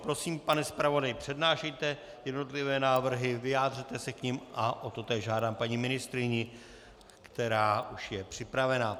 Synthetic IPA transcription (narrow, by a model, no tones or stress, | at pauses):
pɾo̞siːmpanɛspɾavo̞dajɪpr̥ɛdnaːʃɛjt̪ɛ | jɛdno̞t̪lɪvɛːnaːvr̩ɦɪvɪjaːd̪r̝it̪ɛsɛkɲɪmʔaʔo̞t̪o̞t̪ɛːʒʒaːdaːmpaɲimɪnɪst̪ɾɪɲɪ | kt̪ɛɾaːʔuʃjɛpr̝̥ɪpɾavɛna